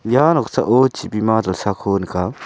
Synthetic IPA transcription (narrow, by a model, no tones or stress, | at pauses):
janɔkt͡sa̰ʔot͡ʃibimad̪alsakʰonka